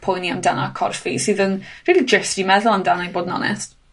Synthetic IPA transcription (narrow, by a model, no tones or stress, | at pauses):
pʰʊjniamdanakʰɔ̰rfisɨːðənriːlˠid͡ʒəsd̥imɛðʊlˠandanajboːdənɔ̰nɛ̰st